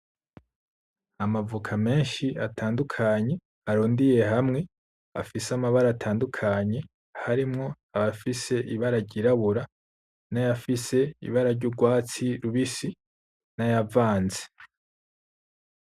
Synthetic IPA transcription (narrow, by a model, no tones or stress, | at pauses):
amavukʰame̞ːnʃiatʰaːndukʰaɲe̞ | aɾuːndije̞ɦamŋe̞ | a̰fisamaβaɾaːtʰaːndukʰaɲe̞ | haɾimŋo̞ | aβafise̞ʔiβaɾaɾɟiɾaβuɾa | najafise̞ḭβaɾaɾɟuɾɡwaːt͡siɾuβisi | najavaːnze̥